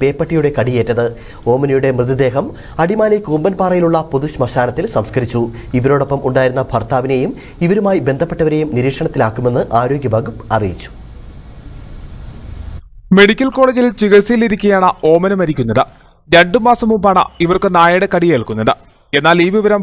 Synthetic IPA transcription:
pe̞ːpːɐʈːijuɽe̞kɐɽijeːtːɐðɨ | o̞ːmɐnɐjuɽe̞mrɨd̪id̪e̞ːɦɐm | ɐɽimaːlekuːmbɐnpaːrɐjiluɭːɐpuðuɕmɐɕaːnɐt̪ːilsɐmskɐɾit͡ɕːu | iʋɐɾo̞ːɽo̞pːɐmʔuɳɖaːjiɾunːɐbʱɐrt̪aːʋine̞jum | iʋɐɾumaːjibe̞nd̪ʱɐpːe̞ʈːɐʋɐɾe̞jumniɾiːkʂɐɳɐt̪ːilaːkːume̞nːɨʔaːɾo̞ːɡjɐbaːɡupɐrijit͡ɕːu̥ | me̞ɽikʲːɐlko̞ːɭed͡ʑilt͡ɕiɣɐɭsɐjiliɾikʲːɐjaːɳɐo̞ːmɐnɐmɐɾikʲːunːɐðɨ | ɾe̞ɳɖɨmaːsɐmumbaːɳɐ̰iʋɐrkɨnaːjɐɽekɐɽijeɭkunːɐðɨ | e̞nːaːliːʋiʋɐɾɐm

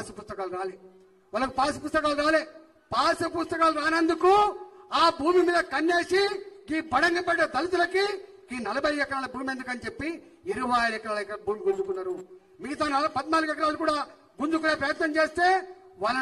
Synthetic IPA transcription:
sɐpust̪ɐkaːlɾaːleː | ʋɐːlɐkupaːsipust̪ɐkaːluɾaːleː | paːsɐpust̪ɐkaːluɾaːnɐnd̪ukuaːbʱuːmimiːd̪ɐkɐnːe̞ːʂiɡiːbɐɽɐŋɡɐpeɽɐɐd̪ɐlit̪̬ulɐki | iːnɐlɐbɐjɛkɐɾaːlɐbʱuːmend̪ukɐnit͡ʃe̞pːi | iɾuʋɐjlɛkɐɾaːlkːɐbʱuːmiɡund͡ʒukunːaːɾu | miɡit̪aːnɐlpɐd̪naːluɡɛkɐɾaːlukuːɽaː | ɡund͡ʒukuneːpɾɐjɐt̪nɐmt͡ʃe̞ːst̪e̞ːʋalːɐ

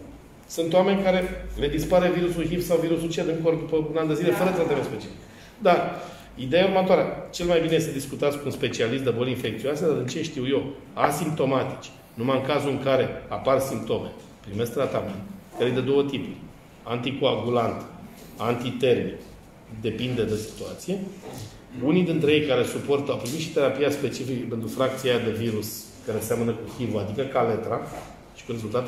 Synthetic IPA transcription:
sunt̪owame̞nʲkaɾe̞le̞d̪ispaɾeviɾusulɦifsawviɾusult͡ʃied̪ɨŋkord̪upəunand̪ezile̞fəɾət̪ɾat̪eamespet͡ʃialik | d̪ar | id̪e̞jauɾmət̪oaɾeat͡ʃe̞lmajbinejest̪ed̪iskut̪at̪skunspe̞t͡ʃialist̪d̪ebolinfe̞k̚t̪sioased̪aɾɨnt͡ʃe̞ʃt̪iwje̞w | asimp̚t̪o̞mat̪i̥t͡ʃʲ | numaɨŋkazuɨŋkaɾe̞aparsimp̚t̪o̞me̞̰ | pɾime̞sk̚t̪ɾat̪ament̪kəɾejd̪e̞d̪o̞wət̪ipu | ant̪ikoabulant̪ | ant̪it̪e̞rmik | d̪e̞pind̪e̞d̪esi̥t̪uat̪sije̞ | unid̪int̪ɾejejkaɾe̞supo̞rt̪əawpɾimit̪ʃi̥t̪e̞ɾapiaspe̞t͡ʃifikəpe̞nt̪ɾufɾak̚t̪siad̪e̞viɾus | kaɾenseamənəkuxivoad̪ikəkale̞t̪ɾa | ʃi̥kuɾe̞zult̪at̪

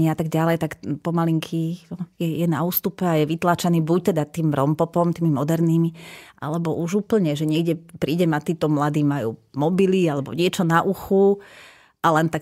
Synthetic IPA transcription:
iat̪aɡɟalɛjt̪akpɔmaliŋkʰijɛjɛnauːst̪upɛajɛʋit̪laːt͡ʃaniːbuc̚t̪ɛd̪at̪iːmɾɔmpɔpɔmt̪iːmimɔd̪ɛɾniːmiʔa̰lɛbɔʔuʒuːpl̩ɲɛʒɛɲɪɛɡɟɛpɾiːɟɛmat̪iːt̪ɔmlad̪iːmajṵːmɔbilialɛbɔ̰ɲɪɛt͡ʃɔnaʔuxu | ʔalɛnt̪ak

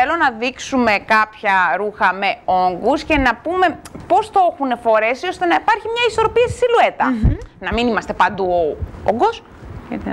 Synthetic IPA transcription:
elo̞nɐðiksume̞kɐpçɐɾuxɐme̞o̞ŋɡusce̞nɐpume̞po̞st̪oexune̞fo̞ɾe̞sio̞st̪e̞nɐipɐɾçimɲɐiso̞ɾo̞piessilue̞t̪ɐ̰nɐminimɐst̪e̞pɐnd̪uoo̰ɡos

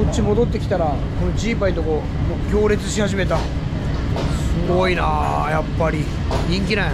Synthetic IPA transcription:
ot͡ɕːimo̞d̪o̞t̪ːe̞kʲi̥t̪aɾako̞nod͡ʑiːpait̪o̞ko̞ | mokʲo̞ːɾe̞t͡sɨɕihaʑime̞t̪a | sɨɡo̞ina̰japːaɾʲi | ɲʲĩŋk̬ʲina

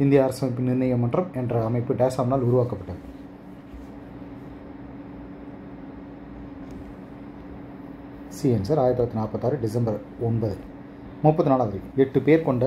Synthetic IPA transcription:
ɪnd̪ɪjaːɾɐsɐmɐɪpːɯnɪɾnɐjɐmːɐnɖrɐmɛndrɐːmɐɪpːɯɖeːsaːmnaːlʊɾʊʋaːkɐpːɐʈːɐð | siːɛnsɐɾaːjɐɾt̪ɪɾɐt̪ːinaːpɐt̪ːaːɾiɖɪsɐmbɐɾ | ɔnbɐðɯ | mʊpːɐðɯnaːlaːʋɐɾiɛʈːɯpeːɾkɔɳɖɐ

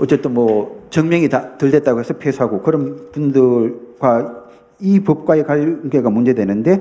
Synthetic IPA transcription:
ʌtt͡ɕ͈et͈ɯnmwʌt͡ɕʌŋmjʌŋitatɯɭde̞t̚t͈aɡoɦesʰʌpʰesʰɦaɡokɯɾʌnpundɯɭɡ̥wa | ipɯp̚k͈waekaʎɡe̞ɡamund͡ʑe̞dwenɯnde̞

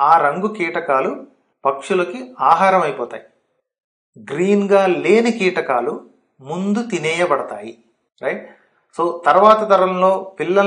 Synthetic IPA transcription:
aːɾɐŋɡukiːʈɐkaːlu | pɐkʂulɐkiaːɦaːɾɐmɐjpɔːt̪a̰ːji | ɡɾiːnɡaːleːnikiːʈɐkaːlu | mund̪ut̪inɛːjɐbɐɽɐt̪a̰ːji | ɾɐjʈ | so̞ːt̪ɐɾʋaːt̪ɐt̪ɐɾɐmlo̞ːpilːɐ

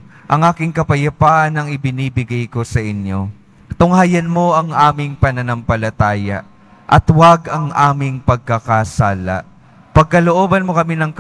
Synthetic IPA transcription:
ʔɐŋʔaːkɪŋkɐpɐjɐpaːʔɐnɐŋɪbɪniːbɪɡajko̞sɐʔɪnjo | t̪ʊŋhaːjɐnmo̞ʔɐŋʔaːmɪŋpɐnɐnɐmpɐlɐt̪aːjɐ̰ʔ | ʔɐt̪waɡɐŋʔaːmɪŋpɐɡ̚kɐkasaːlɐ̰ʔ | pɐɡ̚kɐloʔoːbɐnmo̞kɐminɐŋk

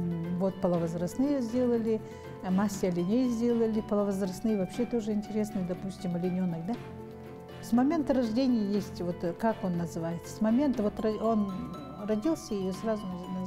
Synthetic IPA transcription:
vo̞t̪̚pəlˠəvɐzɾɐst̪nɨjəzʲdʲe̞lˠəlʲɪ | masʲːɪɐlʲɪnʲejzʲdʲe̞lˠəlʲɪpəlˠəvəzrɐst̪nɨjəvɐpɕːet̪o̞ʐɨɪnʲtʲɪɾʲe̞snɨjəd̪ɐpusʲtʲɪmɐlʲɪnʲo̞nːɨkd̪a | smɐmʲe̞nt̪əɾɐʐdʲenʲɪjəjesʲtʲvo̞t̪kako̞nːəzɨvajɪt̪sə̥smɐmʲe̞nt̪əvo̞t̪rɐo̞n | rɐdʲilˠsʲəjɪjosrazʊnn

